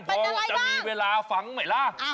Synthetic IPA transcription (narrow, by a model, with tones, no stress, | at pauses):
pʰɔː˧˦˥t͡ɕa˧˩miː˧weː˧laː˧fa˨˦ŋma˨˩jla˦˥